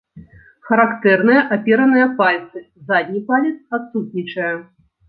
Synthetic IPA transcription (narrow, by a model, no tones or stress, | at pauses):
xɐɾakt̪ɛrnɨjɐʔapʲɛɾɐnɨjɐpalʲt̪sɨ | zad̪ʲnʲipalʲit̪sat̪sut̪nʲit͡ʂɐjɐ